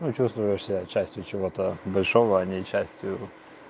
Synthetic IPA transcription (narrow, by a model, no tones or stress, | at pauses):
nut͡ɕust̪vʊjɪʂsʲɪt͡ɕːæsʲtʲjʊt͡ɕɪvot̪əbɐlʲʂovəɐnʲɪt͡ɕːæsʲtʲjʊ